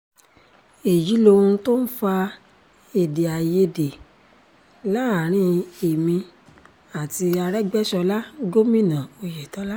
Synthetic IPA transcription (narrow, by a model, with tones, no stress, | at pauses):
e˨ji˨˦lo˧ɾũ˧to˦n̩˦fa˧ | e˨de˨a˨je˧de˨ | la˦a˨ɾ̃ĩ˧e˨mĩ˧ | a˨ti˧a˧ɾɛ˦ɡ͡bɛ˦ʃɔ˧la˦ɡo˦mĩ˦˨nã˨o˧je˨tɔ˨˦la˦